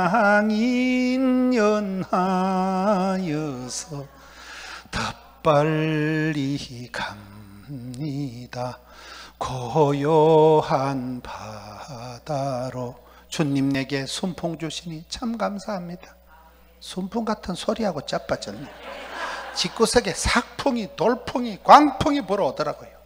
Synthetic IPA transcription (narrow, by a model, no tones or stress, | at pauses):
ɦaŋinjʌnha | jʌsʰʌ | tʌ | p͈ːalːiikʰamɲida | kʰʌɦʌjʌhanpʰa | d̥aɾo | t͡ɕuɲːimne̞ɡe̞sʰumpʰuŋd͡ʑuɕʰinit͡ɕʰamɡamsʰaɦamɲidḁ | sʰumpʰuŋɡatʰɯnsʰoɾiɦaɡot͡ɕ͈ap͈ːat͡ɕʌni | t͡ɕik͈usʰeɡe̞sʰak̚pʰuŋitoɭpʰuŋikwaŋpʰuŋipuɾʌːdʌɾaɡojo